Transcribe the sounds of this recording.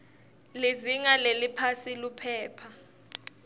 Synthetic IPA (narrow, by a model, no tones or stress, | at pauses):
liziŋalelipʰasilupʰɛːpʰa